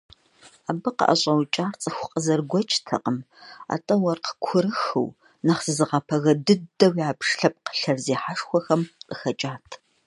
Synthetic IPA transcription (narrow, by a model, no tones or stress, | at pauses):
aːbɨqə̰ʔɐ̰ɕʼɐwt͡ʃʼaːrt͡sʼɨxʷʊqʼəzɐrɡʷɔt͡ʃʼtʰɐ̰qʼəm | a̰ːtʼɐwɐrqə̥kʷʰʊɾɨxɨ̰w | nɐχsɨzɨʁɐpʰɐɣɐdɨdɐwiaːpʂɬɐp̚ʼqə̥ɬɐrzeːħaʂxʷɔxɐmqʼəxɐt͡ʃʼaːtʰ